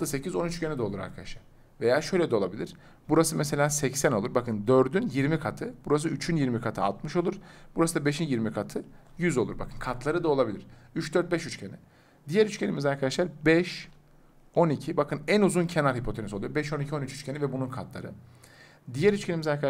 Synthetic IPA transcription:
t̪ːɯse̞cizo̞nyt͡ʃcʰenid̪ɛo̞lˠuɾa̰ɾkʰad̪a̰ʃˠaɾ̥ | ve̞jaːʃø̞jlʲɛd̪ɛo̞lˠabilʲiɾ̥ | buɾasɯmese̞lʲaːsɛcsæno̞lˠuɾbakɯnd̪øɾd̪ynjiɾmikʰat̪ʰɯb̥uɾas̬ɯyt͡ʃʰynjiɾmikʰat̪ʰɯa̰lt̪mɯʃolˠuɾ̥b̥uɾasɯd̪abe̞ʃinjiɾmikʰat̪ʰɯ | jyzo̞lˠuɾbakʰɯnkʰat̪ʰlˠaɾɯd̪ao̞lˠabilʲiɾ̥yt͡ʃd̪øɾt̪̚bɛʃyt͡ʃcʰenḭ | d̪ijɛɾyt͡ʃcʰenḭmizaɾkʰad̪aʃlˠaɾbɛʃ | o̞nicʰibakʰɯnænuzuncʰenaɾhipʰo̞t̪ʰeniso̞lˠujoɾbɛʃo̞nicʰio̞nyt͡ʃy̥t͡ʃcʰenivɛbununkʰat̪ʰlˠa̰ɾɯ | d̪ijɛɾyt͡ʃcʰenimizaɾka

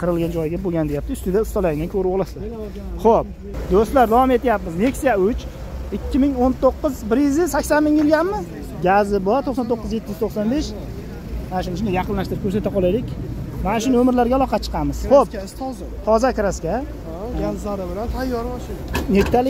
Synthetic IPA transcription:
qʰɨɾɨlˠɡand͡ʒɒjɡʲaboɡʲand̪ejap̚t̪ɪʊst̪ɪd̪aʊst̪ɒlaɪŋnɪnkʰɵɾɪbɒlˠaslaɾ | χop̚ | d̪ost̪laɾd̪avɒme̞t̪ʰjapmɪzne̞kʲsijaʊt͡ʃ | ɪkʲːɪmɪŋont̪ʰoqːɨzbɪɾjɪzɪsakʲsanmɪŋjɪlɡʲanːɪz | ɡʲazɪbɒɾt̪ʰoqsɑnt̪ʰoqːɨzjet̪ːɪjyz̥t̪ʰoχsɒnbe̞ʃ | manaʃ̬ʊnɪʃʊnɪjɑqʰɨnlaʃt̪ɪɾɪp̚kʰʲɵɾs̬at̪aqʰɒlˠajd̪ɪkʲmanaʃʊnomɪɾlaɾɡʲalˠɒqʰɑt͡ʃʰə̥qʰɑmɪzχop̚ | t̪ʰɒzakʲʰɪɾaskʲa | zaɾɪbɪlant̪ʰajːɒɾaʃnet̪ːal

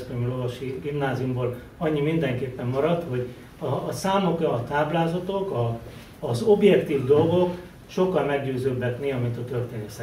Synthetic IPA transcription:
spømylovɒʃiɡimnaːzijumboːl | ɒɲːimind̪ɛŋkeːpːɛmːmɒɾɒt̪ho̞ɟ | ɒːsaːmo̞krɒːt̪aːblaːzɒt̪o̞kɒː | zo̞bjɛkt̪iːvd̪o̞lɡok | ʃo̞kːɒlmɛɡɟøːzøːbɛt̪neɒmint̪ɒt̪ø̞rt̪eːnsɛ

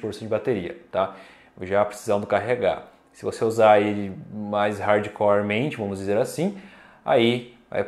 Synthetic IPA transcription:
poɾsɐ̃w̃d͡ʒɪbat̪eɾiɐ̰t̪a | ʒapɾesizɐ̃m̃d̪ʊkaɦeɡa̰ | sɪvoseuzaelɪmajshaɾd͡ʒikalaɾmẽnt͡ʃɪvɐ̃mʊzd͡ʒizeɾasĩ | a̰iva̰j

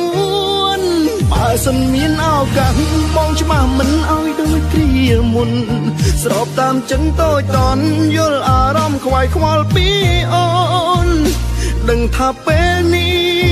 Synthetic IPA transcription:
u | əən | ɓaɛsənmiənʔaɔjkahɓɑːŋt͡ɕʰə̆ɓahmɨnʔaɔjɗoːjkriəəmun | srɑːp̚t̪aːmt͡ɕəŋt̪oːc̚t̪ɑnjʊ̆əlʔaːɾɑmkʰʋaːjkʰʋɑlpiːʔonɗəŋt̪ʰaːpeːlnih

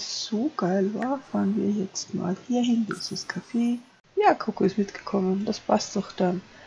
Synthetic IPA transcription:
z̥oːɡ̥aɪlvaːfaːʁənviːɐjɛt͡stma̰ːlhiːɐɦɪndɪsɪskʰafeː | jaːkʰokoɪstmɪt̪ɡ̥ə̥kʰɔməndaspʰastdɔxd̥an

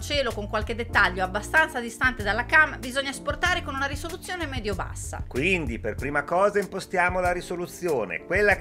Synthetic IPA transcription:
t͡ʃɛːlokoŋkwalk̟ed̪et̪ːaʎːoabːast̪ant̪sad̪ist̪ant̪ed̪alːakambizoɲːaesport̪aːɾekonunaɾisolut̪sːjoːnemɛːd̪joba̰sːa̰kwind̪iperpɾiːmakɔːzaimpost̪jaːmolaɾisolut̪sːjoːnḛkwelːa

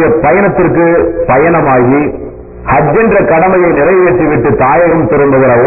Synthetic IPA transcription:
jɐpɐjɐnɐt̪ːɪrkɯpɐjɐnɐmaːɣi | hɐd͡ʒːɛndrɐkɐɽɐmɐjɐɪnɪɾɐɪʋeːʈriʋɪʈːɯt̪aːjɐɣɐmt̪ɪɾɯmbɐɣɐɾɐ

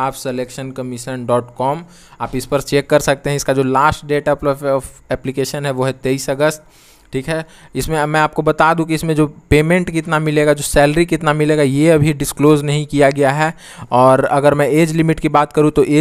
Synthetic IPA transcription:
aːpseleːkʃənkɐmɪʃənɖɔːʈkɔːm | aːpɪspɐɾt͡ʃeːkːɐɾsɐk̚t̪eɦɛ̃ɪskad͡ʒoːlaːsʈɖeːʈəpɔfɛːplikeːʃənɦɛʋoːɦɛt̪eisɐɡəst̪ | ʈʰiːkɦɛɪsmẽmɛ̃aːp̚kobɐt̪aːd̪ũkiɪsmẽd͡ʒoːpeːmẽɳʈkɪt̪namɪleːɡad͡ʒoːsɛːlɾikɪt̪namɪleːɡajeɐbʱiɖɪskloːznɐɦĩkijaɡɐjaɦɛ | ɔːɾɐɡəɾmɛ̃eːd͡ʒlɪmɪʈkibaːt̪kɐɾũt̪oʔeː

